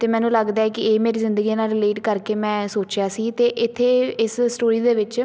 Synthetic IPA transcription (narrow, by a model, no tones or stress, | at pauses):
t̪eːmɛ̃ːnũːləɡd̪aːɛːkɪeːmeːɾiːzɪ̃nd̪əɡinaːlɾɪleːʈkəɾkeːmɛ̃ːsoːt͡ʃjaːsiːt̪eːʔɪt̪ʰːeːɪssʈoːɾiːd̪eːʋɪt͡ʃ